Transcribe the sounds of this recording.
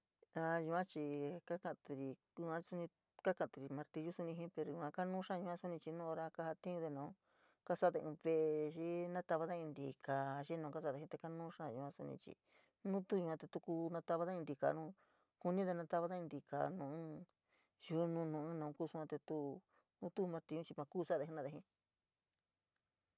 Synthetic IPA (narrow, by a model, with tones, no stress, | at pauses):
a˧ju˧ã˦t͡ʃi˧ka˦kã˧ʔt̪u˧ɾi˨ | u˧ã˦i˧su˧nĩ˧ | ka˦kã˧˨t̪u˧ɾi˨mã˧ɾt̪i˧ʒu˦su˧nĩ˧ɦĩ˦pe˧ɾo˨ju˧ã˧ka˦nũ˦ʂã˦˧ũ˧ã˦su˦nĩ˧t͡ʃi˧nũː˦o˧ɾa˧ka˧ha˧t̪ĩ˦ũ˧ðe˧nũː˨˦ | ka˦sa˦ðe˧ɨ̃ː˧βe˧ʔʃi˦nã˦t̪a˧βa˧ða˦ĩ˧nd̪i˨ka˨ʃi˦nũː˧ka˦s̬a˦˨ðe˧hĩ˧t̪e˧ka˦nũː˦ʂã˦˨ju˧˨˧ã˦su˧nḭ̃˧t͡ʃḭ˧ | nũ˦t̪u˦ɲũ˧ã˧t̪e˧t̪u˧ku˧nã˧t̪a˧βa˧˦ða˦ĩ˧d̪i˧ka̰˨nũ˦ | ku˧nĩ˦ðe˧nã˧t̪a˧βa˧˦ða˦ĩ˧nd̪i˨˧ka̰˧˨nũ˨˦ | ju˧nũ˧nũ˨˧˨ɨ̃˦nã˧˨˧kuː˦˧su˦˧ã˧t̪e˧t̪u˦ | nũ˦t̪u˦˧mã˧t̪ĩ˧ɲũ˦t͡ʃi˧mã˧kuː˦˨sa˦˧ðe˧ɦi˧nã˦˧ðe˧ɦĩ˧˦